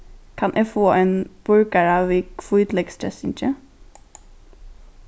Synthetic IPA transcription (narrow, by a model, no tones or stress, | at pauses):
kʰɑnʔeːfoːʔeːnb̥ʊɹkəɹɑːʋiːkfɔːʉːt̪lɛɡst̪ɾɛsɪ̰nt͡ʃə